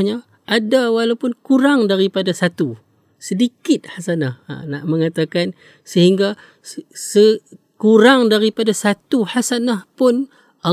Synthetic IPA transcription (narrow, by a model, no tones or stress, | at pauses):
ɲa | ʔadawalaupʊnkuɾaŋdaɾipadasat̪u | sədikɪt̪̚hasanaha̰naʔmə̃ŋat̪akan | səɦiŋɡa | sə | kuɾaŋdaɾipadasat̪uhasanahpʊn | ʔa